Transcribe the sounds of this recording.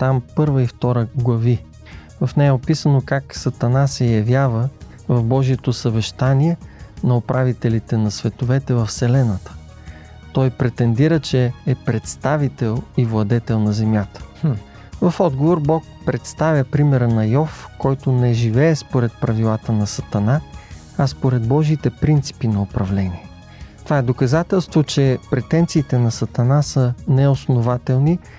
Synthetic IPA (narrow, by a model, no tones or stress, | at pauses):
t̪ampɤɾvəift̪ɔɾəɡlˠɐvi | vɐfnɛjɛopisənokaksɐt̪ɐnasɛjɐvjavə | vɐfbɔʒiɛt̪osɐvɛʃt̪aniɛnɐopɾʔavit̪ɛlit̪ɛnɐsvɛt̪ovɛt̪ɛvɐfsɛlɛnət̪ə̥ | t̪ɔjpɾɛt̪ɛnd̪iɾət͡ʃɛːpɾɛt̪st̪avit̪ɛlˠivlˠɐd̪ɛt̪ɛlˠnɐzɛmjat̪ə̥ | vɐfɔd̪ɡovoɾbɔk̚ | pɾɛt̪st̪avʲjəpɾimɛɾənɐjɔfkɔjt̪onɛʒivɛːspoɾɛt̪̚pɾɐvilˠat̪ənɐsɐt̪ɐna | ɐspoɾɛd̪̚bɔʒit̪ɛpɾint̪si̥pinɐopɾɐvlɛniɛ | t̪ovaɛd̪okɐzat̪ɛlˠst̪vot͡ʃɛpɾɛt̪ɛnt̪siːt̪ɛnɐsɐt̪ɐnasənɛosnovat̪ɛlˠni